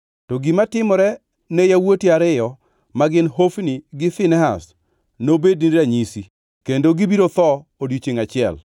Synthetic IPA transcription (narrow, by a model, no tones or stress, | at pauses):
tɔɡimatɪmɔɾɛ | nejawotiaɾɪjɔ | maɡɪnhofniɡɪfɪnɛɦas | nobedniɾaɲisi | kendoɡibiɾot̪ɔodit͡ʃeŋat͡ʃɪɛ̰l